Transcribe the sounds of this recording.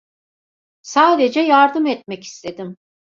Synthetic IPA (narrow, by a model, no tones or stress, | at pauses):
saːd̪e̞d͡ʒɛjaɾd̪ɯmɛt̪̚mɛci̥st̪ʰe̞d̪im